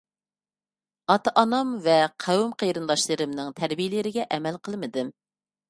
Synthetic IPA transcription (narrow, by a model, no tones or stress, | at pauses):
ɑt̪ɑʔɑnɑmvɛqʰæwmqʰejɾɨnlɑʃlˠɨɾɨmnɨŋt̪ʰæɾbijɪlɪɾɪɡʲɛʔɛmɛlqʰəlˠmɨd̪ɨm